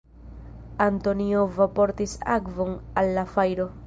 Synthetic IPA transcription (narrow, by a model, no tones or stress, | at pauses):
ant̪o̞niovapo̞ɾt̪isa̰kvo̞nalːafajɾo̞